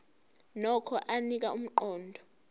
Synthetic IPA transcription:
nɔkʰɔʔanik̬ʼaum̩ǃɔːndʱɔ

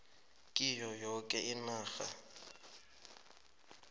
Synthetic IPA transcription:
kʼɪjɔjokʼɛʔɪnaːɣa̰

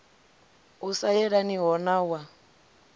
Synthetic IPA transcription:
usajɛɺaniɦɔnawa

